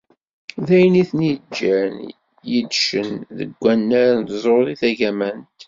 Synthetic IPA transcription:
ðæjniθnid͡ʒːæn | jəd̪ʃənðə̰ɡʷːænːæɾant̪zˤoðˤiθæʝæmænt̪

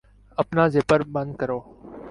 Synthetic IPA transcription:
əpnãːzeːpəɾɓə̃nd̪̚kəɾoː

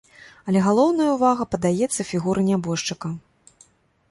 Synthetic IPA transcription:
ɐlʲɛɣalˠɔwnɐjɐuwvaɣɐpɐd̪ajɛt̪sːɐfʲiɣuɾʔɐnʲabɔʂt͡ʂɨkɐ

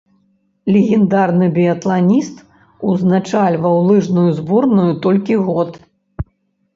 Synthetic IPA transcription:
lʲɛɣʲɛnd̪arnɨbʲiɐt̪lˠanʲist̪ | uznat͡ʂalʲvɐwlˠɨʐnujuzbɔrnujut̪ɔlʲkʲiɣɔt̪

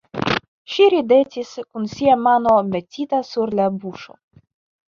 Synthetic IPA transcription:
ʃiɾid̪etʲiskunsiamano̞metʲit̪asuɾlabuʃo̰

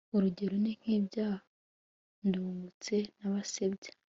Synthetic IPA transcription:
uɾuɟe̞ɾoniŋ̥hiːbɟaːh | nduːŋɡut͡se̞naβasebɟe̥

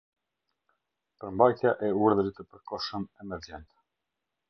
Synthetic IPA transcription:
pəɾmbajt̪jaʔɛuɾðəɾit̪əpəɾkɔʃəmɛmɛɾd͡ʒɛnt̪ɛ̥

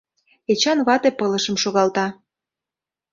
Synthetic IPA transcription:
et͡ɕɑnβɑt̪epɤlə̆ʃə̆mʃoɣɑlt̪ɑ

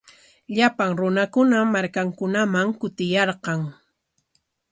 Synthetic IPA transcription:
ʎapaŋɾʊnakʊnamaɾkaŋkʊnamaŋkʊt̪ɪjɑɾqɑŋ

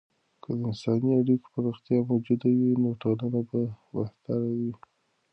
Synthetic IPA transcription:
kʰəd̪əɪnsɑniaɽiko̥pəɾoxt̪ijɑmod͡ʒud̪awinoʈolənabawaht̪aɾawi

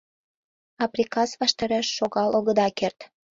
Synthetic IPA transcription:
ɑprʲikɑsβɑʃt̪ɑɾeʃːoɣɑloɣəd̪ɑkert̪

